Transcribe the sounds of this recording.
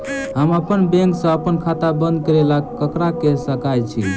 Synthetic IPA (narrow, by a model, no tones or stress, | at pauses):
ɦəməpənbẽŋksə̃əpənkʰat̪abə̃nd̪̚kəɾelaəkɾakesəkajt͡ʃʰḭ